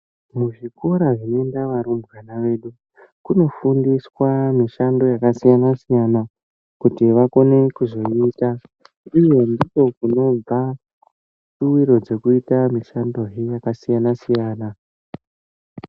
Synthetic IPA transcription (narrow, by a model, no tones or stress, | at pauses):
muʐikoɾaʐiendaʋaɾumbɣanaʋe̞ɗu | kuno̞fundiswamiʃando̞jakasijanasijana | kutiʋako̞ne̞kuzo̞iːta | uje̞ndiko̞kuno̞b͡va | suwiɾo̞d͡ze̞kuitamiʃando̞ɦejakasijanasijaːna